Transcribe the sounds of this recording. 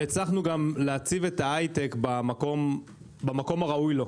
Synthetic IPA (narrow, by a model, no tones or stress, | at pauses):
et͡slaχnuɡamleat͡sive̞taajt̪ekbamako̞m | bamako̞maʁaujlo̞